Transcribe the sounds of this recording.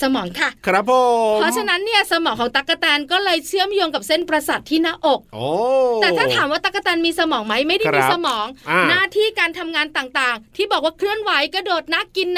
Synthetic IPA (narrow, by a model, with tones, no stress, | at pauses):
sa˧mɔː˩˦ŋkʰa˥˩kʰɾa˦˥pʰpʰɾɔ˦˥t͡ɕʰa˧na˦˥nːi˥˩əsa˧mɔː˩˦ŋkʰɔː˩˦ŋt̪a˦˥kːa˧t̪ɛː˧nkɔː˥˩lɤː˧jt͡ɕʰɯ˥˩əmjoː˧ŋka˨˩p̚se˥˩npɾa˧sa˨˩t̪ʰːiː˥˩naː˦˥˩ʔo˨˩k̚ʔoː˧ɛː˨˩tʰaː˥˩t̪ʰaː˩˦mwaː˥˩t̪a˦˥k̚ːa˧t̪ɛː˧nmiː˧sa˧mɔː˩˦ŋma˦˥jma˥˩jda˥i˧sa˧mɔː˩˦ŋ˧˩naː˥˩t̪ʰiː˥˩kaː˧nt̪ʰa˧mŋaː˧nt̪aː˨˩ŋt̪aː˨˩ŋt̪ʰiː˥˩bɔː˨˩k̚waː˥˩kʰɾɯ˥˩ənwa˨˦˥jkɔː˥˩doː˨˩t̪̚na˦˥kːi˧n